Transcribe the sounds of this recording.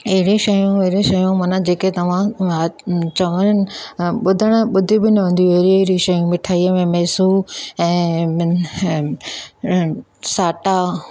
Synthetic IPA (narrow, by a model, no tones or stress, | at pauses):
ɐɦɪɾiʃɐjũɐɦɪɾĩʃɐjũmɐnãd͡ʑeːket̪ɐʋ̤ãat͡ɕɐʋəɾənɪ̆ɓʊd̪ʱəɽ̃̆ɓʊd̪ʱibɪnɐɦũːn̆d̪ijuɐɦɪɾiɐɦɾiʃɐjũmɪʈʰaːiəmẽmɛːsuɛ̃ː | saːʈa